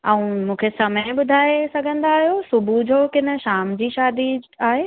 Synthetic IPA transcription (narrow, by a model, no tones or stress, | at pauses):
ɛ̃ũmũːkʰesɐmə̃ɓʊd̪ʱaːesɐɡʱə̃nd̪aːɦijosʊbʱud͡ʑoːkɪnə̆ʃaːmd͡ʑiːʃaːd̪iaːɦeː